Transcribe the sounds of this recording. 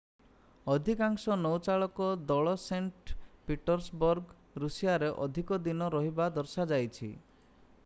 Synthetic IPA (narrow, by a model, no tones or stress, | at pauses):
ɔd̪ʱikaŋsɔnɔwt͡ʃaɭɔkɔd̪ɔɭɔseɳʈpiʈɔɾsbɔɾɡ | ɾusijaɾeʔɔd̪ʱikɔd̪inɔɾɔɦibad̪ɔɾsad͡ʒajt͡ʃʰḭ